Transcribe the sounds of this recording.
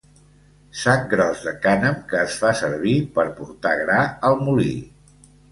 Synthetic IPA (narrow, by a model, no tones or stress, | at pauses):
sak̚ɡɾɔzðəkanəmkəːsfasəɾβipəɾpuɾt̪aɣɾaəlˠmulḭ